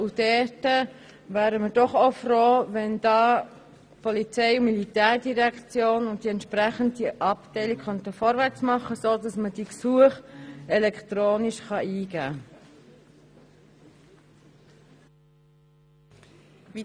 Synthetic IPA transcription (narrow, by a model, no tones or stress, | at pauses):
ud̥ɛtə | væːɾəmədɔχofroːvɛnd̥ɑː | pʰɔlit͡sɛɪʊmilitæːɾdiʁɛkt͡sjoːnʊnt̚d̥iɛnt̪ʃpɾɛχənt̚diʔɑptɛɪlikkχœntəfɔɾvæɾt͡smɑχːəsoːdɑsməd̥iksuəχɛlɛktɾoːniʃχɑʔiːɡ̥æː